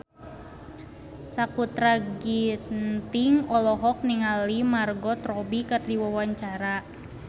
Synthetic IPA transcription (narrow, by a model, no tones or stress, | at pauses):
sakut̪ɾaɡint̪iŋɔlɔɦɔk̚niŋalimarɡɔt̪ɾɔbikardiwawaɲt͡ʃaɾa